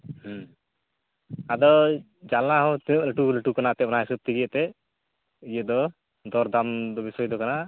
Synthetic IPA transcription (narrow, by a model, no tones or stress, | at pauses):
h | ad̪ɔ | d͡ʒalaɦɔ̃t̪iəʔləʈuləʈukanaʔt̪ɛɔnaɦisɔb̚t̪ʰiɡəʔt̪ɛ | ijəd̪ɔ | d̪ɔɾd̪amd̪ɔbisɔjd̪ɔkana